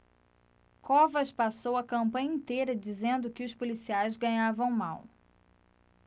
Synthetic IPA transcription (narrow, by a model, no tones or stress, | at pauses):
kɔvɐʃpasowɐkɐ̃mpɐ̃ɲɐĩnt̪ejɾɐd͡ʒizẽnd̪ʊkɪʊspolisiajzɡɐ̃ɲavɐ̃w̃maw